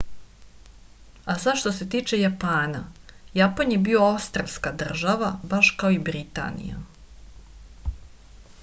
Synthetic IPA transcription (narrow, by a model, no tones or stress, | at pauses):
asaʃt̪o̞se̞t̪iːt͡ʃe̞japaːnajapanjebio̞aust̪ɾaskad̪r̩ʒaʋabaʃkao̞ibɾit̪a̰nḭja̰